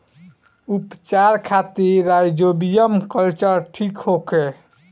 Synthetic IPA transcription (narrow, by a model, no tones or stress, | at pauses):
upt͡ʃaɾkʰat̪iɾajd͡ʒobijəmkəlt͡ʃəɾʈʰikɦoke